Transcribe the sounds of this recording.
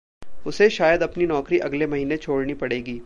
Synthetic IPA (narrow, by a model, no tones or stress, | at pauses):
ʊseʃaːjəd̪ɐpninɔːkɾiʔɐɡlemɐɦiːnet͡ʃʰoːɽnipɐɽeːɡiː